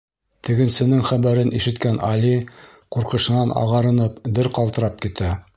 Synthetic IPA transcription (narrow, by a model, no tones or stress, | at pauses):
t̪ʰɘ̆ɡɘ̆nsɘ̆nɘŋχæβæɾɘnʔiʃɘ̆t̪kænʔɑli | quɾqɤ̆ʃɤ̆nɑnʔɑ̰ʁɑɾɤ̆nɤpd̪ɘɾqɑlˠt̪ɤ̆ɾɑp̚kit̪æ